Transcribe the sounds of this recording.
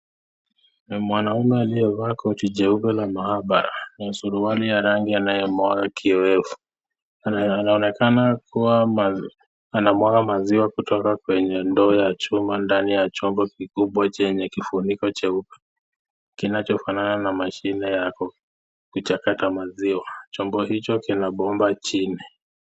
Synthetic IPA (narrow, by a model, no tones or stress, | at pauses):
mwanaumɛaliɛvaːkɔutid͡ʒɛupɛlamahaɓaɾa̰nasuɾuwalijaɾaŋɡianajɛmwakakʰiɔɛfu̥ | aɔnɛkanakuwa | anamwakamaziwakutɔkakwɛɲɛndɔːjat͡ʃumandanijat͡ʃɔmbɔkikuɓwat͡ʃɛɲɛkifunikɔt͡ʃaupḁ | kinat͡ʃɔfanananamaʃinɛjak | kut͡ʃakatamaziwat͡ʃɔmbɔɦit͡ʃɔkinaɓɔmbat͡ʃini